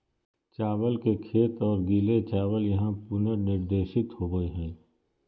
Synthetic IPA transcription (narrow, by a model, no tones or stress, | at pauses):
t͡ʃaːwəlkekʰeːt̪ɔːɾɡiːlet͡ʃaːwəljɐɦãpʊnəɾnɪɾd̪eːʃɪt̪hoːɡəiɦɛ̃ː